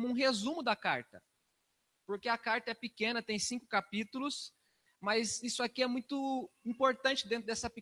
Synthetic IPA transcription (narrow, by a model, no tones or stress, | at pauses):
mʊũɦezũmʊd̪ɐkaɾt̪ɐ | poɾkeɐkaɾt̪ɐɛpikẽnɐt̪ẽj̃sĩŋkʊ̥kapit̪ulʊs | mɐzisʊakiɛmũj̃t̪ʊĩpoɾt̪ɐ̃nt͡ʃɪd̪ẽt̪ɾʊd̪ɛsɐpi